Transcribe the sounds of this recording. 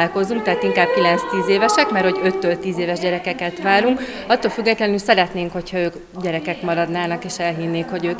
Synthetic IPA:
ko̞zuŋk̚t̪ɛɦːt̪iŋkaːb̚kilɛnst̪iːzeːvɛʃɛkmɛrho̞ɟø̞t̪ːøːlt̪iːzeːvɛʒɟɛɾɛkɛkɛt̪ʋaːɾuŋk | ɒt̪ːoːlfyɡːɛt̪lɛnylsɛɾɛt̪neːŋkho̞chɒøːk | ɟɛɾɛkɛkmɒɾɒd̪naːnɒkeːʃɛlɦinːeːkho̞ɟøːk

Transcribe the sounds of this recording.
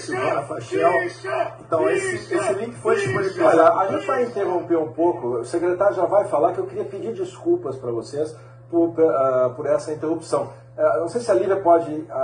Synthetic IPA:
sɪvonɐfaʃɛlẽnt̪ɐ̃w̃esɪesɪlĩkɪ̥fojt͡ʃi̥pʊd͡ʒikɔʎɐaĩvajĩnt̪eɦõpeũpokʊʊsekɾet̪aɾjʊʒavajfalaɾkɪewkɪɾiɐpid͡ʒiɾd͡ʒiskuwpɐspɾɐvoses | pʊɾpɛɛpʊɾɛsɐĩnt̪ehupsɐ̃w̃ | ɛnɐ̃w̃sejsɪɐlivɾɐpɔd͡ʒɪa

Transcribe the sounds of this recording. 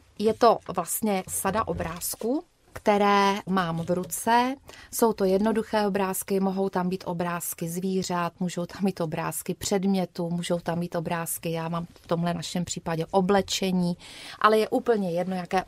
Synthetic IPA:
jɛt̪o̞vlast̪ɲɛsadaʔo̞bɾaːsku | kt̪ɛɾɛːmaːmvɾut͡sɛso̞wt̪o̞jɛdno̞duxɛːobɾaːskɪmo̞ɦo̞wt̪ambiːt̪ʔo̞bɾaːskɪzviːr̝at̪muːʒowt̪amːiːt̪ʔo̞bɾa̰ːskɪpr̝̥ɛdmɲɛt̪umuːʒowt̪amːiːt̪ʔo̞bɾaːskɪjaːmaːmft̪omɦlɛnaʃɛmpr̝̥iːpaɟɛʔoblɛt͡ʃɛɲiːʔa̰lɛjɛʔuːpl̩ɲɛjɛdno̞jakɛː

